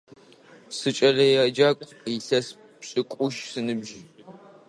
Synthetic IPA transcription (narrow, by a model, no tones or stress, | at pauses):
sɨt͡ʃʼɐlɐjɐd͡ʒaːkʷʼː | sɐs | pɕʼɨkʷʼʊʃsɨnɨbʒ